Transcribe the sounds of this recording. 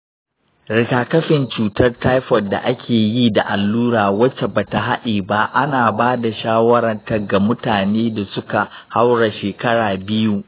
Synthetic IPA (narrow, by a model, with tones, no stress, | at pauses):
ɾɪ˨kaː˨kɐ˦ɸɪ˨nt͡ʃuː˨tɐ˦rta˦jɸɔ˨da̰˨ʔa˦kʲʰeː˨jiː˦da˨ʔa˨lːuː˦ɽaː˨wɐ˦t͡ʃe˨baː˨ta˨ɦa˦ɗiː˨ba˦ʔa˦naː˨baː˦da˨ʃaː˦wɐ˦ɽɐ˨rtɐ˨ɡa˨mʊ˦taː˨neː˦da˨sʊ˦ka˨ha˦wɽa˨ʃeː˨kɐ˦ɽaː˨bɪ˦ju˦ʔ